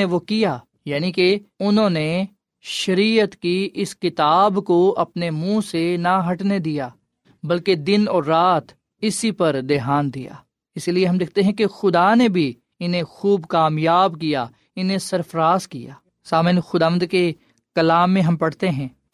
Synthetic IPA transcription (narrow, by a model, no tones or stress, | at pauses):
eʋokijaː | jaːnikeʊnɦõne | ʃɐɾiːət̪kiʔɪskɪt̪aːbkoɐpnemũːsenaɦɐʈned̪ijaː | bɐlked̪ɪnɔːɾːaːt̪ | ɪsipɐɾd̪eːɦaːnd̪ija̰ː | ɪslieɦɐmd̪ɪk̚ʰt̪eɦɛ̃kexʊd̪anebʱi | ɪnɦẽxuːbkaːmjaːbkija̰ː | ɪnẽsɐɾfɾaːzkija̰ː | saːmɪnxʊd̪aːʋə̃nd̪ke | kɐlaːmːẽɦɐmpɐɽ̤t̪eɦɛ̃ː